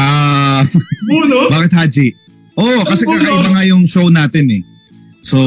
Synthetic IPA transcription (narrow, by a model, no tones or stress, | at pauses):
a | baːkɪt̪̚haːd͡ʒiʔ | ʔoʔkɐsɛkɐkɐmɐŋajʊŋʃownaːt̪ɪnɛ | so